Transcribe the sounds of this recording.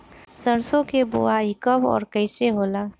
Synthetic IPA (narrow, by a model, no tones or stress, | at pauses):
səɾsõkebo̰aikəbɔ̰ːɾkəɪseɦoːlaː